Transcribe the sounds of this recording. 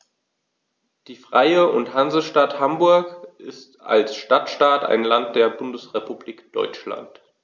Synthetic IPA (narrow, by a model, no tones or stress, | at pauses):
d̥iːfʁ̥aɪəʊnthanzl̩əʃtathambʊɐkʔɪsta̰lsʃtatʃtaːta̰ɪnlant̚d̥eːɐbʊndəsʁepubliːkd̥ɔ̰ʏt͡ʃla̰nt